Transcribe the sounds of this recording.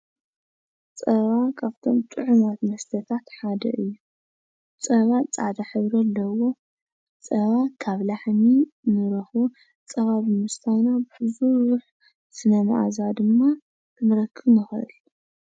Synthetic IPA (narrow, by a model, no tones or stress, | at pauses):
t͡sʼɐβakʰaβt̪ʰo̞mt̪ʼɨʕumat̪mɐst̪ʰɐt̪ʰat̪ħad̪ɐ̰ʔɨjːu | t͡sʼɐβat͡sʼad̪aħɨβɾɐlːɐwo̞ | t͡sʼɐβakʰaβlaħminɨɾɐxβo | t͡sʼɐβaβimɨst̪ʰajnabɨħɨzuɾuħ | sɨnɐmɨʔa̰zad̪ɨmːa | kʰɨnɨɾɐkʰːɨβnɨxʔɨ̰l